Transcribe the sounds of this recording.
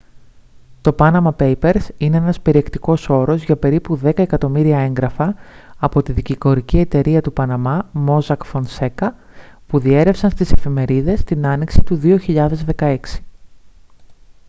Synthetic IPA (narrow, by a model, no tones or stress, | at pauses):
t̪o̞pɐnɐmɐpe̞jpe̞ɾsine̞e̞nɐspe̞ɾie̞kt̪iko̞so̞ɾo̞zʝɐpe̞ɾipuðe̞kɐe̞kɐt̪o̞miɾiɐe̞ŋɡɾɐfɐːpo̞t̪iðiciko̞ɾicie̞t̪e̞ɾiɐt̪upɐnɐmɐmo̞zɐkfo̞nse̞kɐ | puðie̞ɾe̞fsɐnst̪ise̞fime̞ɾiðe̞st̪inɐniksit̪uðio̞çiʎɐðe̞zðe̞kɐe̞ksi̥